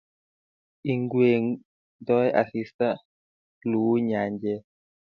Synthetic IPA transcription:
i˨ŋɡwe˨ | dɔ˦jʔa̰˨si˦sta˦ | lu˨wu˦ɲa˨ɲd͡ʒɛ˦

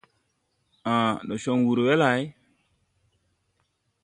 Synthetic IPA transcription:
ã˨ɗo˨ʃo˨ŋwu˨ɾwe˦la˨j

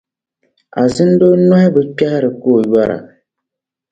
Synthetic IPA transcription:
a˨zɨ˦n˦do˦na˦hɪ˦bɨ˨pa˦hɾɨ˨koː˦˨ja˦ɾa̰˨

